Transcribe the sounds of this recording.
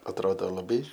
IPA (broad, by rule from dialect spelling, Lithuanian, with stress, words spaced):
ɐtˈroːdoː lˠɐˈbɐɪ